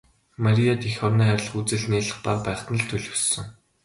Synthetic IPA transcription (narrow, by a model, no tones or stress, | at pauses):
maɾʲijat̪ixɔwniːæɾʲɪ̆ɮ̆χut͡sɘ̆ɮneːɮə̆χparpæːχt̪nə̆ɮt̪ʰɵɮɵ̆wssɵ̆ŋ